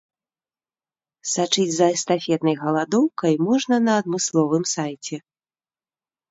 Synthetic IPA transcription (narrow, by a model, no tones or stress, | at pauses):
sat͡ʂɨd͡zʲzɐɛst̪afʲɛt̪nɐjɣɐlˠad̪ɔwkɐjmɔʐnɐnɐːd̪̚mɨslˠɔvɨmsajt͡sʲɛ